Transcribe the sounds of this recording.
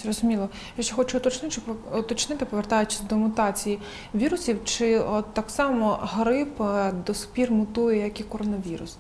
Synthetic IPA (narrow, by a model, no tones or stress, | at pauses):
srɔzʊmʲilˠɔ | jakʃt͡ʃɛxɔt͡ʃʊɔt̪ɔt͡ʃnɪt͡ʃʊɔt̪ɔt͡ʃnɪt̪ɪpɔʋert̪ɑjʊt͡ʃɪ̥sʲd̪ɔmʊt̪ɑt͡sʲiji | ʋʲiɾʊsʲiwt͡ʃɪɔt̪ːɑksɑmɔɦɐɾɪpd̪ɔsʊ̥pʲirmʊt̪ujɛjɐkikɔɾɔnɐʋʲiɾʊ̰s